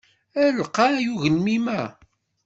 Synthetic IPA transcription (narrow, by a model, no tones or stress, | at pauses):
æɾlqɑjuʝənmimæ